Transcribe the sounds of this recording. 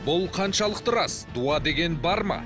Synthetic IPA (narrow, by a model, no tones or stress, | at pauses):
bʊlˠqʰɑnʃɑlˠəqt̪əɾɑsd̪uɑd̪e̞ɡʲe̞nbɑɾmɑ̰